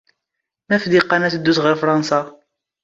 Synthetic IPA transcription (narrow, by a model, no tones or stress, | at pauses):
mæfd̪iqːɑnæθəd̪ːusʁəɾfɾˤɑnsɑ